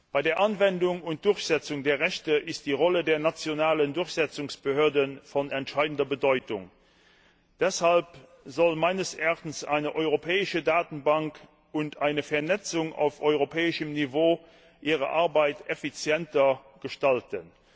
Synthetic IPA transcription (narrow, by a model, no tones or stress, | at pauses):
b̥aɪdeːɐʔɑnvɛndʊŋʊnt̚d̥ʊɐçz̥ɛt͡sʊŋdeːɐʁɛɕtəʔɪst̚d̥iːʁɔlədeːɐnat͡sjonaːləndʊɐçz̥ɛt͡sʊŋsb̥əhøːɐdənfɔnɛntʃaɪdn̩dɐbədɔʏtʊ̰ŋ | d̥ɛshalp | zɔlmaɪnəsaχtn̩sa̰ɪnəʔɔʏʁopʰɛːɪʃədaːtn̩baŋk | ʊntʰaɪnəfɛɐnɛt͡sʊŋa̰ʊfɔʏʁopʰɛːɪʃəmnivoː | ʔiːʁə̰ʔaɐbaɪtefit͡sjɛntɐ | ɡ̥əʃtaltən